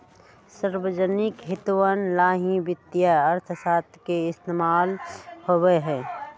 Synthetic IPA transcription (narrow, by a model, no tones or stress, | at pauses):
səɾwəd͡ʒənɪkɦɪt̪uwənlaːɦĩbɪt̪ːjaəɾt̪ʰsaːt̪keɪst̪eːmaːlhoweɦɛː